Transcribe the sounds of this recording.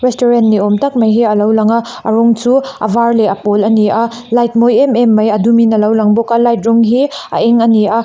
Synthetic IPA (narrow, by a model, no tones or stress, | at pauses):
ɾestoɾentːiomtɐk̚mɐjɦiɐlɐwlɐŋɐ | ɐ̰ɾoŋsʰuɐ̰bʱaɾleɐpolɐniɐ | lajt̚mojememːɐjɐduminɐlɐwlɐŋbokɐlajt̚ɾuŋɦiɐ̰ʔeŋɐnia